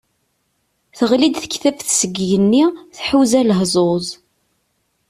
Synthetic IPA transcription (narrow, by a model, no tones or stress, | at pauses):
θəʁlid̪θə̥çθæfθsəɡjənːiθħuzæləɦzˤozˤ